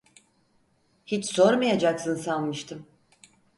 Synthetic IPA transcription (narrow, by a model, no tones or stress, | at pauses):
hit͡ʃso̞ɾmajad͡ʒaksɯnsalˠmɯʃt̪ʰɯm